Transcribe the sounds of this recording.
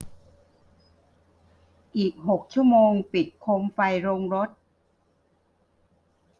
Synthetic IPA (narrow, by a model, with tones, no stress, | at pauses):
ʔiː˨˩k̚ɦo˨˩k̚t͡ɕʰu˥˩əmoː˧ŋpi˨˩t̪̚kʰo˧˥mfa˧jɾoː˧ŋɾo˦˥t̪̚